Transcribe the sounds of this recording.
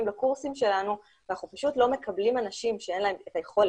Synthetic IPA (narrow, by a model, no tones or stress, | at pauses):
imlakuʁsimʃe̞lanu | vanaχnupaʃutlo̞me̞kablimanaʃimʃee̞nlae̞metajeχo̞l